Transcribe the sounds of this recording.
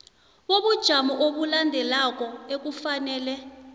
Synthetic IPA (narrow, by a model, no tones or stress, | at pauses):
woɓud̥ʒ̥ʱamɔʔoɓulandʱɛlak̬ʼɔek̬ufanɛːlɛ